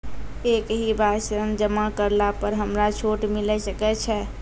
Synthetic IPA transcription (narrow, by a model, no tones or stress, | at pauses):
ekɦibʱasənd͡ʒəmakəɾlapəɾɦəmɾat͡ʃʰoʈmilɛsəkɛt͡ʃʰɛ